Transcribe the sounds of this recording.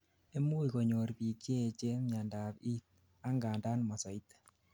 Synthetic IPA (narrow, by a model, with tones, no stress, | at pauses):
e˦mu˦i˨ko˨ɲo˨ɾpi˨kje˦˨t͡ʃe˦mja˨nda˨pi˦t̪̚ | a˦ŋɡa˨nda˦nmɔ˨sɔ˨i˦t̪